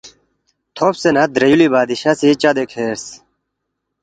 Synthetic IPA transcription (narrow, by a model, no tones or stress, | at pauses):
t̪ʰopsenɐd̪ɾɐjulibaːd̪iɕɐsit͡ɕɐd̪ekʰeːɾs